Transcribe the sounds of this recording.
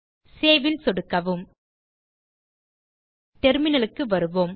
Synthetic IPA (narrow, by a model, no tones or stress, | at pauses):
seːʋɪlsɔɽɯkːɐʋɯm | t̪ɛɾmɪnɐlɯkːɯʋɐɾɯʋoːm